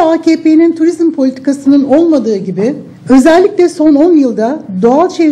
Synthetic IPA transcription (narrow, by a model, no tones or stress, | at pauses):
aːcʰeːpenint̪ʰuɾizmpʰo̞lʲit̪ʰi̥kʰasɯnɯno̞lˠmad̪ɯːɟibɪ | ø̞zɛlʲːicʲlʲɛso̞no̞njɯlˠd̪ad̪o̞alˠt͡ʃʰe